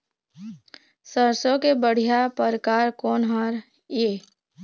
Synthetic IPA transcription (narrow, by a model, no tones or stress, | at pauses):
səɾsõkebəɽ̤ijapəɾkaːɾkɔːnɦəɾ | jeː